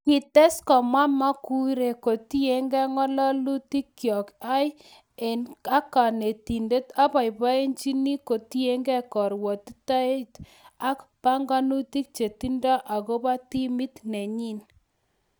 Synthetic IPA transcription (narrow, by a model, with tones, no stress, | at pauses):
ki˨te˦skɔ˨mwa˦ma˦ku˦ɾe˨ko˨ti˦e˦ŋɡɛ˦ŋɔ˦lɔ˦lu˦ti˦kːjɔ˨ka˦j | e˨na˦ka˨ne˨ti˨nde˦ta˦pa˨jpa˦e˦nt͡ʃi˦ni˦ko˨ti˦e˦ŋɡɛ˦kɔ˨ɾwɔ˨ti˦ta˦e˦ta˦kpa˦ŋɡa˦nu˦ti˦k̚t͡ʃe˨ti˦ndɔ˦ʔa˨ko˦ba˦ti˦mi˦tne˨ɲi˦n